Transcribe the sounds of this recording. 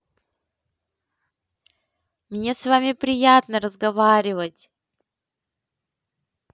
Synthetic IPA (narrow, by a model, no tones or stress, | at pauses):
mnʲe̞svamʲɪpɾʲɪjat̪nəɾəzɡɐvaɾʲɪvətʲ